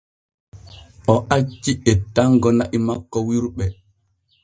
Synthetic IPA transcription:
ʔɔʔat͡ʃːiɛtːaŋɡɔnaʔimakːɔwiɾɓɛ

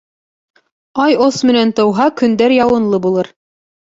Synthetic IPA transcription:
ɑjosmɘ̆nænt̪ɤ̆wɦɑkɵ̆nd̪æɾjɑwɤ̆nlˠɤbulˠɤɾ

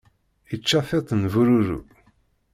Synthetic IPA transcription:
it͡ʃːafet̪ˤnvuɾuɾṵ

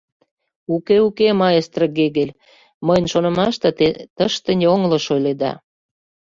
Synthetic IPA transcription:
ukeukemɑjest̪rəɣeɣelʲ | məjnʲʃonə̆mɑʃt̪ɤ̆t̪et̪əʃt̪ə̆nʲoŋlɤ̆ʃojled̪ɑ̰

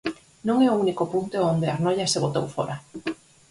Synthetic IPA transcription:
nõŋɛounikopunt̪eond̪eaɾnoʎɐseβot̪owfo̰ɾa

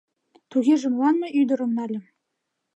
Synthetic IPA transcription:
t̪uɣʲeʒɘ̆mlɑnmɤ̆yjd̪ɤ̆ɾɤ̆mnælʲɘ̆

